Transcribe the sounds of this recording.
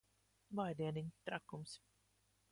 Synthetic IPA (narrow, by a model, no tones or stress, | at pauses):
vajd̪iɛniɲʲt̪ɾakːums